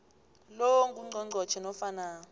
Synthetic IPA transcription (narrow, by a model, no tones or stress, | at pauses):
loŋkʼuŋ͡ǀʱɔŋ͡ǀʱɔt͡ʃʰɛnɔfanaːn